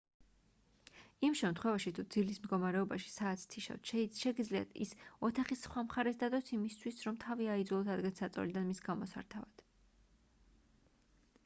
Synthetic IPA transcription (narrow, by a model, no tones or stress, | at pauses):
imʃɛmt̪χwɛvaʃit̪ʰud̪zilismd̪ɡɔmaɾɛɔbaʃi̥saːt̪sʰt̪ʰiʃa̰ft̪ʃɛɡid̪zlia̰t̪ʰḭsɔt̪ʰaχisχwamχaɾɛsd̪ad̪ɔsimist̪ʰwisɾɔmt̪ʰaviaid̪zulˠɔt̪ʰad̪ɡɛt̪sat̪sʼɔ̰lid̪anmisɡamɔsa̰ɾt̪ʰavad̪̥